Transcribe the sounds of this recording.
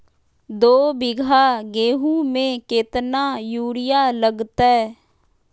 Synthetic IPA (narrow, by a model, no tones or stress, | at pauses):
d̪oːbɪɡʱaɡeːɦũmẽket̪najuːɽɪjaləɡt̪aɛ